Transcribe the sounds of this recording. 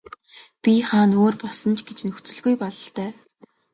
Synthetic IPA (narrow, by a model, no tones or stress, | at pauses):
pʲiχaːnoːrpɔɮsɞ̆nt͡ɕʰɡet͡ɕnɵxt͡sɵ̆ɮɣujpɔɮɞ̆ɬt̪œː